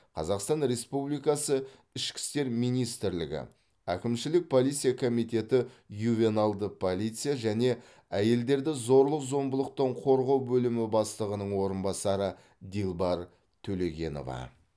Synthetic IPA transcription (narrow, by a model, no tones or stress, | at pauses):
qʰɑzɑqst̪ɑnɾe̞spublijkɑsə | ɪʃkʲɪ̥st̪e̞ɾmijnijst̪ɪɾlɪ̰ɡʲɪ̰ | ækʲɪmʃɪlɪk̚pʰo̞lˠijt̪sɨijakʰo̞mijt̪e̞t̪ɪjuvʲe̞nɑlˠd̪əpʰolʲˠijt̪sɨjaʒæne̞ | æje̞ld̪e̞ɾd̪ɪzo̞ɾlˠəqzo̞mbəlˠəq̚t̪əɴqʰo̞ɾʁɑwbɵlɪmɪbɑslˠəʁənəɴwo̞ɾənbɑsɑɾə | d̪ilˠbɑɾ | t̪ʰɵle̞ɡʲe̞̰no̞̰vɑ̰